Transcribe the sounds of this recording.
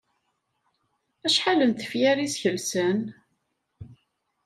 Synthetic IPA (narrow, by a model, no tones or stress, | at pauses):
æʃħalənt̪ə̥fjæɾisçəlsən